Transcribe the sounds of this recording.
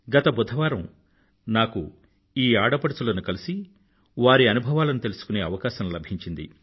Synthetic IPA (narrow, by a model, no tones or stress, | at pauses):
ɡɐt̪ɐbɔd̪ʱːɐʋaːɾɐm | naːku | iːaːɽɐpɐɽɐt͡sulɐnukɐlisi | ʋaːɾiɐnubʱɐʋaːlɐnut̪e̞lusu̥kune̞ːɐʋɐkaːʃɐmlɐbʱiɲt͡ʃind̪ḭ